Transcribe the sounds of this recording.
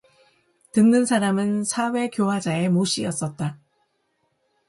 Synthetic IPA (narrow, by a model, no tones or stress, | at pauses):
tɯnːɯnsʰaɾamɯnsʰawe̞kjowad͡ʑae̞moɕ͈ʰiʌs͈ʌt̚t͈a